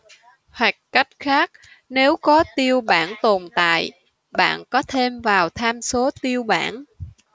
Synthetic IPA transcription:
hwa˨˩jk̚ka˦˥jk̚xaː˦˥k̚ | ne˨˦wkɔ˨˦t̪i˧əwɓaː˧˩nt̪o˨˩nt̪a̰ː˧˨j | ɓa̰ː˧˨nkɔ˨˦t̪ʰe˧mvaː˨˩wt̪ʰaː˧mso˨˦t̪i˧əwɓa̰ː˧˩n

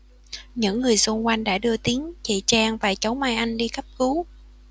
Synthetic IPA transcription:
ɲɨ̰˧˥ŋːɨ˨˩əjzo˧nkwa˧jŋ̟ɗa̰ː˧˥ɗɨ˧ət̪i˨˦əŋt͡ɕe˧˨˩t͡ɕaː˧ŋvaː˨˩t͡ɕə˨˦wma˧jʔa˧jŋ̟ɗi˧xə˦˥p̚ku˨˦

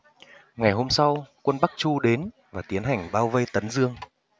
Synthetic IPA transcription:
ŋa˨˩jɦo˧msa˧wkwə˧nɓa˦˥k̚t͡ɕu˧ɗe˨˦n | vaː˨˩t̪i˨˦ənɦa˨˩jŋ̟ɓaː˧wvə˧jt̪ə˨˦nzɨ˧əŋ

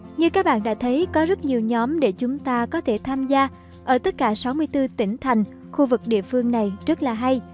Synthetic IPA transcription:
ɲɨ˧kaː˦˥k̚ɓa̰ː˧˨nɗa̰ː˧˥t̪ʰə˨˦jkɔ˨˦zə˦˥t̚ɲi˨˩əwɲɔ˨˦mɗe˧˩t͡ɕʊ˨˦ŋ͡mt̪aː˧kɔ˨˦t̪ʰe˧˩t̪ʰaː˧mzaː˧ | ʔəː˧˩t̪ə˦˥t̚kaː˧˩sa˨˦wmɨ˧əjt̪ɨ˧t̪ï˧˩ŋ̟t̪ʰa˨˩jŋ̟ | xu˧vɨ˨˩k̚ɗḭ˧˨əfɨ˧əŋna˨˩jzə˦˥t̚laː˨˩ɦa˧j

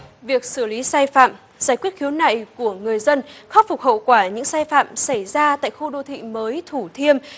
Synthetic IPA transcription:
vi˨˩ək̚sɨ˧˩li˨˦saː˧jfa̰ː˧˨m | zaː˧˩jkwi˦˥t̚xi˨˦wna̰˧˨jku˧˩əŋɨ˨˩əjzə˧nxɔ˦˥p̚fʊ˨˩k͡p̚hə̰˧˨wkwaː˧˩ɲɨ̰˧˥ŋsaː˧jfa̰ː˧˨msa˧˩jzaː˧t̪a̰ː˧˨jxu˧ɗo˧t̪ʰḭ˧˨məː˨˦jt̪ʰu˧˩t̪ʰi˧əm

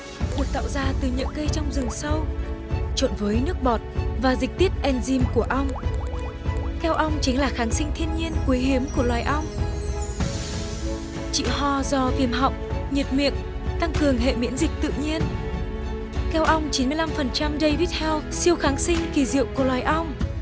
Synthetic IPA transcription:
mu˨˩t̚t̪a̰ː˧˨wzaː˧t̪ɨ˨˩ɲɨ̰˧˥ŋkə˧jt͡ɕɔ˧wŋ͡mzɨ˨˩ŋsə˧wt͡ɕo˧˩nvəː˨˦jnɨ˦˥ək̚ɓɔ˨˩t̚vaː˨˩zï˨˩k̚t̪i˦˥t̚ʔɛ˧nzi˧mku˧˩əʔə˧wŋ͡m | kɛ˧wʔə˧wŋ͡mt͡ɕï˨˦ŋ̟laː˨˩xaː˨˦nsï˧ŋ̟t̪ʰi˧ənɲi˧ənkwi˨˦jhi˨˦əmku˧˩əlwaː˨˩jʔə˧wŋ͡m | t͡ɕḭ˧˨ɦɔ˧˩zɔ˧vi˧˩əmɦa̰˧˨wŋ͡m̚ɲi˨˩t̚mḭ˧˨ən | t̪a˧ŋkɨ˨˩əŋɦḛ˧˨mḭ˧˥nzï˨˩k̚t̪ɨ̰˧˨ɲi˧ən | kɛ˧wʔə˧wŋ͡mt͡ɕi˨˦nmɨ˧əjla˧mfə˨˩nt͡ɕa˧mɗe˧jvi˦˥t̚hɛ˧wsi˧əwxaː˨˦nsï˧ŋ̟ki˧˩zḭ˧˨əwku˧˩əlwaː˨˩jʔə˧wŋ͡m

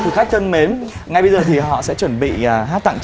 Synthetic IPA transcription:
t̪ɨ˨˩xa˦˥jk̚t̪ʰə˧nme˨˦nŋa˨˩jɓə˧jzəː˨˩t̪ʰi˨˩ɦɔ̰˧˨sɛ̰˧˥t͡ɕwə˧˩nɓḭ˧˨˩aː˦˥t̪a̰˧˨ŋt͡ɕ

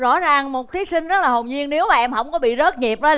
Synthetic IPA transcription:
zɔ̰˧˥zaː˨˩ŋmo˨˩t̚t̪ʰi˨˦sï˧ŋ̟zə˦˥laː˨˩ɦo˨˩ŋ͡mɲi˧ənne˨˦wmaː˨˩ʔɛ˧mhə̰˧˥wŋ͡mkɔ˨˦ɓḭ˧˨zə˦˥t̚ɲi˨˩p̚ɗə˨˦

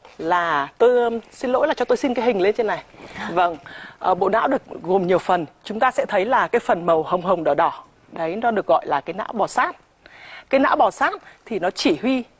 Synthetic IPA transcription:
laː˨˩t̪o˧jsi˧nlo̰˧˥jlaː˨˩t͡ɕɔ˧t̪o˧jsi˧nkaː˨˦ɦhï˨˩ŋ̟le˧nt͡ɕe˧nːa˨˩jvə˧˩ŋʔəː˨˩ɓo̰˧˨na̰ː˧˥wɗɨ˨˩ək̚ɣu˨˩mɲi˨˩əwfə˨˩nt͡ɕʊ˨˦ŋ͡mt̪aː˧sɛ̰˧˥t̪ʰə˨˦jlaː˨˩kaː˨˦jfə˨˩nmə˨˩whə˨˩wŋ͡mɦə˨˩wŋ͡mɗɔ˨˧˩ɗɔ˧˩ | ɗə˨˦jnɔ˨˦ɗɨ˨˩ək̚ɣɔ̰˧˨jlaː˨˩kaː˨˦jna̰ː˧˥wɓɔ˨˩saː˦˥t̚ | kaː˨˦jna̰ː˧˥wɓɔ˨˩saː˦˥t̚t̪ʰi˨˩nɔ˨˦t͡ɕi˧˩hwi˧

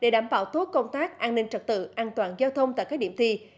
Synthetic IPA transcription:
ɗe˧˩ɗaː˧˩mɓa̰ː˧˨wt̪o˦˥t̚kə˧wŋ͡mt̪aː˦˥k̚ʔaː˧nnï˧ŋ̟t͡ɕə˨˩t̚t̪ɨ̰˧˨ʔaː˧nt̪waː˨˩nzaː˧wt̪ʰə˧wŋ͡mt̪a̰˧˨ka˦˥k̚ɗi˧˩əmt̪ʰi˧

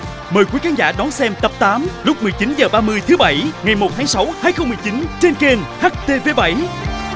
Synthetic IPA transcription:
məː˨˩jkwi˨˦kaː˨˦nza̰ː˧˩ɗɔ˨˦nsɛ˧mt̪ə˨˩p̚t̪aː˨˦mlʊ˦˥k͡p̚mɨ˨˩əjt͡ɕi˨˦nzəː˨˩ɓaː˧mɨ˧əjt̪ʰɨ˨˦ɓa˧˩jŋa˨˩jmo˨˩t̚t̪ʰaː˨˦ŋsa˨˦whaː˧˩jxə˧wŋ͡mmɨ˨˩jt͡ɕi˨˦nt͡ɕe˧nke˧nhaː˦˥k̚t̪e˧ve˧˦ɓa˧˩j

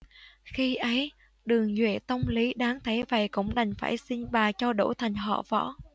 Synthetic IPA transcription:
xi˧ʔə˨˦j | ɗɨ˨˩əŋzwḛ˧˩˨t̪ə˧wŋ͡mli˨˦ɗaː˨˦ŋt̪ʰə˨˦jvə̰˧˨jkʊ̰˧˥wŋ͡mɗa˨˩jŋ̟faː˧˩jsi˧nɓaː˨˩t͡ɕɔ˧ɗo˧˩t̪ʰa˨˩jŋ̟ɦɔ̰˧˨vɔ̰˧˥

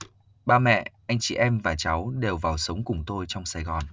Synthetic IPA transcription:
ɓaː˧mɛ̰˧˨ʔa˧jŋ̟t͡ɕḭ˧˨ʔɛ˧mvaː˨˩t͡ɕa˨˦wɗe˨˩wvaː˨˩wsə˨˦wŋ͡mkʊ˨˩ŋ͡mt̪o˧jt͡ɕɔ˧wŋ͡msaː˧˩jɣɔ˨˩n

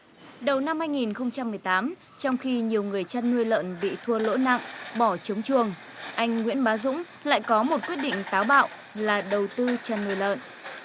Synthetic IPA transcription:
ɗə˨˩wna˧mhaː˧jŋi˨˩nxə˧wŋ͡mt͡ɕa˧mːɨ˨˩əjt̪aː˨˦m | t͡ɕɔ˧wŋ͡mxi˧ɲi˨˩əwŋɨ˨˩əjt͡ɕa˧nːu˧əjlə̰ː˧˨nɓḭ˧˨t̪ʰu˧əlo̰˧˥na̰˧˨ŋɓɔ˧˩t͡ɕə˨˦wŋ͡mt͡ɕɨ˨˩əŋ | ʔa˧jŋ̟ŋwḭ˧˥ənɓaː˨˦zʊ̰˧˥ŋ͡m | la̰ː˧˨jkɔ˨˦mo˨˩t̚kwi˦˥ət̚ɗḭ̈˧˨ŋ̟t̪aː˨˦wɓa̰ː˧˨w | laː˨˩ɗə˨˩wt̪ɨ˧t͡ɕa˧nːu˧əjlə̰ː˧˨n

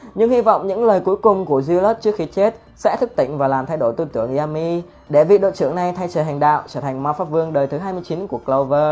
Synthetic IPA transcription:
ɲɨ˧ŋhi˧vɔ̰˧˨wŋ͡mɲɨ̰˧˥ŋləː˨˩jku˨˦jkʊ˨˩ŋ͡mku˧˩əzi˧lə˦˥t̚t͡ɕɨ˦˥ək̚xi˨˦t͡ɕe˦˥t̚ | sɛ̰˧˥t̪ʰɨ˦˥k̚t̪ḭ˧˨ŋ̟vaː˨˩laː˨˩mt̪ʰjɗo˧˩jt̪ɨ˧t̪ɨ˧˩əŋʔi˧aː˧mi˧ | ɗe˧˩vḭ˧˨ɗo̰˧˨t͡ɕɨ˧˩əŋna˨˩jt̪ʰa˧jt͡ɕəː˨˩ɦa˨˩ŋɗa̰ː˧˨wt͡ɕəː˧˩t̪ʰa˨˩ŋ̟ma˧˨˦wfa˦˥p̚vɨ˧əŋɗəː˨˩jt̪ʰɨ˨˦ɦaː˧jmɨ˧jt͡ɕi˨˦nku˧˩əklə˧wvəː˧

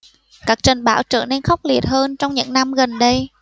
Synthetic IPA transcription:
kaː˦˥k̚t͡ɕa˨˩ŋɓa̰ː˧˩wt͡ɕə̰˧˨ne˧nxɔ˦˥wk͡p̚li˨˩ət̚həː˧nt͡ɕɔ˧wŋ͡mɲɨ̰˧˥ŋna˧mɣə˨˩nɗə˧j

